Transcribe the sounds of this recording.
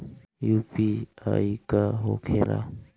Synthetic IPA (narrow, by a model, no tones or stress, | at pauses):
jupiaːikaɦokʰẽɾa̰